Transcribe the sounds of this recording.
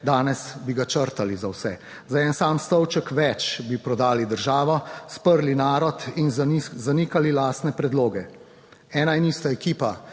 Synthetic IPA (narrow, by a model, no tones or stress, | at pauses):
d̪aːnɛsbiɡat͡ʃəɾt̪alizawsɛ | zaɛnsaːmst̪ɔwt͡ʃəkʋɛt͡ʃbipɾɔd̪aːlid̪əɾʒaːʋɔspəɾlinaːɾɔt̪inzaniːkalilaːst̪nɛpɾɛd̪loːɡɛ | ɛːnainiːst̪aɛkiːpa